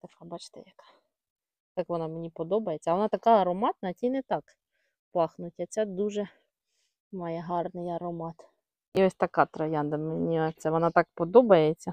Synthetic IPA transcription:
t̪ɐfɐbɑt͡ʃt̪ɪ̰jɐkɑ̥ | t̪ɑkʋɔnɑmenʲipɔd̪ɔbɐjet͡sʲːɐʋɔnɑt̪ɐkɑɐɾɔmɑt̪nɐtʲijnɛt̪ɑk | pɑxnʊtʲɐt͡sʲɛd̪uʒɛ | mɑjɛɦɑrnɪjɐɾɔmɑt̪ | iɔsʲt̪ɐkɑt̪ɾɐjand̪ɐmenʲiɔt̪sɛʋɔnɑt̪ɑk̚pɔd̪ɔbɐjet͡sʲːɐ

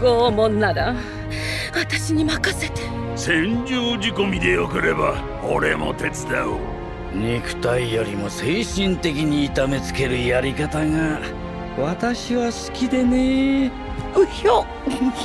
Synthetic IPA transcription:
ɡ̥oːmõnːad̪a | βat̪aɕiɲ̟imakaset̪e̥ | sẽ̞ɲd͡ʑoːd͡ʑiko̞mʲid̪e̞jokɯɾe̞ba | o̰ɾe̞̰mo̞̰t̪e̞t͡sɨd̪ao | ɲikɯ̟̥t̪aijo̞ɾʲimo̞se̞ːɕĩnt̪e̞kʲiɲ̟iːt̪ame̞t͡sɨ̥ke̞ɾɯ̟jaɾʲikat̪aŋa | βat̪aɕiβasɨ̥kʲid̪e̞ne | ɯjo

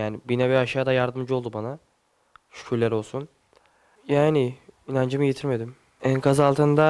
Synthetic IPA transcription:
jaːnibinɛvɛaʃaːd̪ajaɾd̪ɯmd͡ʒɯo̞lˠd̪ubana | ʃu̥kʰuɾlʲæɾo̞lˠsun | jaːnɪinand͡ʒɯmɯɟe̞t̪ʰiɾme̞d̪im | ɛkʰazalˠt̪ʰɯnd̪a

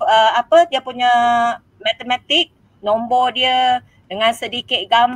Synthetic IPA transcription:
əapədiəpuɲa | mat̪əmat̪ik̚ | nombɔdiə | dəŋansədikɪt̪̚ɡam

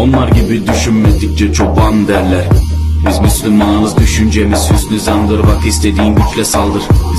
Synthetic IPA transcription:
onlˠaɾɟibid̪yʃynmɛt̪ːic̚ʲt͡ʃɛt͡ʃʰok̚band̪æɾlʲæɾbizmyslʲylʲmanɯmɯzd̪yʃynd͡ʒemiz̥jyznyzand̪ɯɾbakist̪ʰed̪iːnɟyt͡ʃlʲɛsalˠd̪ɯɾ

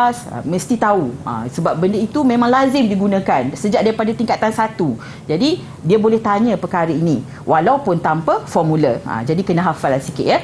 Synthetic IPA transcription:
sə̰mə̃st̪it̪auə̰səbap̚bəndəit̪umẽmãŋlazɪmdiɡunãkansəd͡ʒaʔ̚daɾipadat̪iŋkat̪ansat̪u | d͡ʒadi | diabolɛht̪aɲə̃pərkaɾəinĩ | wʔalawpʊnt̪ampəfɔrmũləə̰d͡ʒadikənə̃ɦafalasikɪ̰t̪jə

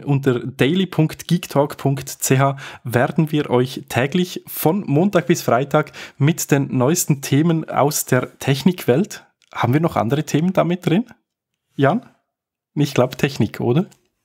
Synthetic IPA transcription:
ʔʊnt̬əʁd̥eɪlipʰʊŋktɡ̥iːktʰɔːkpʰʊŋktt͡seːɦaːveːɾdn̩viːɐʔɔʏçtʰɛːɡlɪçfɔnmoːntaːk̚b̥ɪsfʁ̥aɪtʰaːkmɪtd̥eːnːɔʏstn̩tʰeːməna̰ʊsd̥eːɐtʰɛçnɪkv̥ɛlt | haːbn̩viːɐnɔχʔa̰ndəʁətʰeːmənd̥aːmɪt̚d̥ʁɪn | jaːn | ɪçtɡlaʊbtʰɛçnɪkʰʔo̰ːdɐ

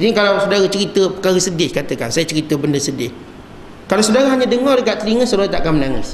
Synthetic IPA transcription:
inikalawsudaɾat͡ʃəɾit̪əpəkaɣəsədɪhkat̪əka̰nsajat͡ʃəɾit̪əbəndəsədɪh | kalawsədaɣaɦaɲadəŋɔrdəkaʔt̪əliŋəsudaɣat̪aʔakanmənaŋɪ̰s

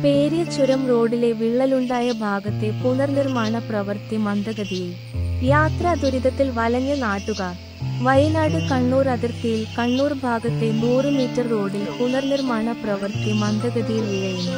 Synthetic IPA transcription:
peːɾjɐt͡ɕːuɾɐmro̞ːɖile̞ʋiɭːɐluɳɖaːjɐbʱaːɡɐt̪ːe̞punɐrnirmaːɳɐprɐʋɐrt̪imɐnd̪ɐɡɐðijil | jaːt̪rɐd̪ʱuɾiðɐt̪ːilʋɐlɐŋːɐnaːʈːuɣɐ | ʋɐjɐnaːɽɨkɐɳːuːrɐðirt̪ijilkɐɳːuːrbʱaːɡɐt̪ːe̞nuːrɨmiːtːɐrːo̞ːɽilpunɐrnirmaːɳɐprɐʋɐrt̪imɐnd̪ɐɡɐd̪ijilʋiɻɐjunːu

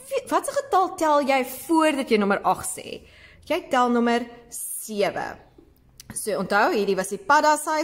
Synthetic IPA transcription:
fivɐtsəχətɐlˠtælˠjɛjfuərdɐtjəjnɔməɾʔɐχsḛː | jɛjtælˠnɔmərsiəvə̰ | suəɔntɦœwɦiːɾivɐsipɐdɐsɐ

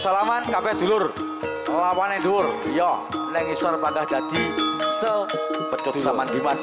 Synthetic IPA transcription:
salamankabɛhd̪̥ulʊr | lawanɛɖuʊrjɔnɛŋisarpaŋɡahd̪̥ad̪̥isəbət͡ʃʊt̪̚samand̪iman

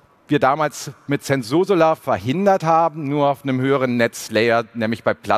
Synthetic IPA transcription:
viːɐdaːmaːlsmɪtsɛnz̥oːzolafɛɐhɪndɐthaːbm̩nuːɐaʊfnəmhøːəʁ̞ənːɛt͡slɛɪɐnɛːmlɪçb̥aɪpʰl̥a

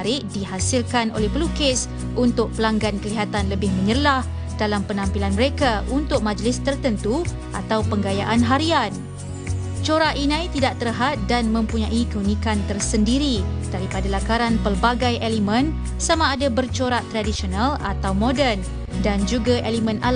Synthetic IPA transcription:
ɾɪʔdiɦasɪlkano̰lɛhpəlukɪs | unt̪ʊk̚pəlaŋɡankəliɦat̪anləbɪhmə̃ɲərlah | d̥alampənãmpilanməɾekaʔunt̪ʊk̚mãd͡ʒlɪst̪ərt̪ənt̪u | ʔat̪awpəŋɡajaʔanɦaɾian | t͡ʃoɾaʔinãjt̪idaʔt̪ərɦat̪̚danmə̃mpuɲaʔikəunĩkant̪ərsəndiɾid̥aɾipadalakaɾanpərbaɡajʔelimə̃n | samaːdabərt͡ʃoɾaʔt̪ɾadisonala̰t̪awmõdɛn | dand͡ʒuɡaʔelimə̃nal

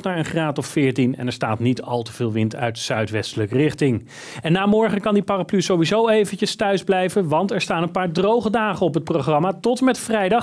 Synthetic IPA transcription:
naːɹənχraːtɔffɪːɹtinɛ̰nɛɹstaːtnitɑ̰lˠtəvɪːlˠʋɪntœ̰ɥtsœɥtʋɛstələkrɪχtɪŋ | ɛnːaːmɔɹχənkɑndiparaplyzowʋizowejvəncəstœɥzblɛjvənʋɑntɛɹstaːnənpaːɹdrowχədaːχənɔpɦət̚proχrɑmaːtɔtmɛtfrɛjdɑ

